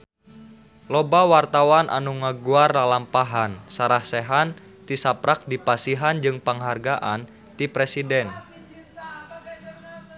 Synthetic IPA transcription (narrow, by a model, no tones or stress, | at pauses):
lɔbawart̪awanʔa̰nuŋəɡuarlalampaɦansaɾahseɦan | t̪isapɾak̚dipasiɦand͡ʒɨŋpəŋɦarɡaʔan | t̪ipɾɛsidɛn